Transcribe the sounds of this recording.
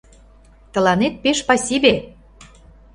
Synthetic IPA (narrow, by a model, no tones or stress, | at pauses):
t̪ə̆lɑnet̪̚peʃpɑsʲibe